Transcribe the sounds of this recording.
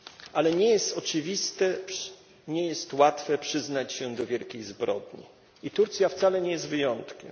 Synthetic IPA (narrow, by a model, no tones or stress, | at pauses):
ʔalɛɲɛjɛst̪ɔt͡ʂɘvʲist̪ɛ | ɲɛjɛst̪wat̪fɛpʂɘznat͡ɕɕɛd̪ɔvʲjɛlkʲejzbɾɔ̰d̪ɲḭ | it̪uɾt̪sʲjaft̪salɛɲɛjɛst̪vɘjɔnt̪kʲɛ̰m